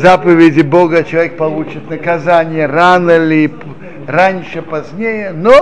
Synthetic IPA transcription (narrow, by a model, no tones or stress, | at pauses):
zapəvʲɪdʲɪboɡət͡ɕɪlˠɐvʲek̚pɐlˠut͡ɕɪt̪nəkɐzanʲɪjəranəlʲɪp | ranʲʂɨpɐzʲnʲejəno